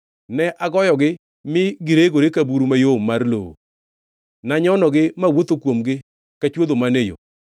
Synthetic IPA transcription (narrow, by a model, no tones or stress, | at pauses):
nɛʔaɡɔjɔɡɪ | mɪɡɪɾeɡoɾekabuɾumajomarlo̰o̰ | naɲɔnɔɡɪmawot̪okwomɡɪ | kat͡ʃwod̪omanejo̰